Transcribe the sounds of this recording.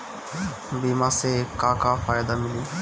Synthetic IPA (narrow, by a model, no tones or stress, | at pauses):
bimasekakafajd̪amili